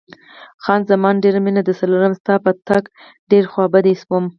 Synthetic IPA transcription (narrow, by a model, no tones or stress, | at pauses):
xɑnzamɑnɖeɾaminad̪əsaloɾamst̪ɑpat̪ak | ɖeɾxwɑbad̪espom